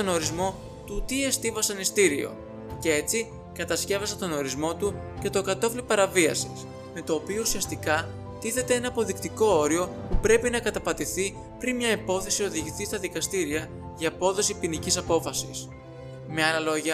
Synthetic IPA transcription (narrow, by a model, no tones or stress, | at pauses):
t̪ono̞ɾizmo̞ | t̪ut̪ie̞st̪ivɐsɐnist̪iɾio̞̰ | ce̞e̞t͡si | kɐt̪ɐsce̞vɐsɐt̪o̞no̞ɾizmo̞t̪uce̞t̪o̞kɐt̪o̞flipɐɾɐviɐsis | me̞t̪o̞ːpio̞usiɐst̪ikɐ | t̪iθe̞t̪e̞e̞nɐːpo̞ðikt̪iko̞o̞ɾio̞ | pupɾe̞pinɐkɐt̪ɐpɐt̪iθi | pɾinmɲɐipo̞θe̞sio̞ðiʝiθist̪ɐðikɐst̪iɾiɐ | ʝɐːpo̞ðo̞sipinicisɐpo̞fɐsis | meɐlɐlo̞ʝɐ